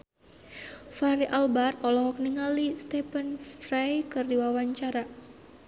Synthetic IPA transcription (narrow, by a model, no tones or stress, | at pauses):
faɾiʔalbarɔlɔɦɔk̚niŋalist̪ɛpənfrajkɨrdiwawaɲt͡ʃaɾa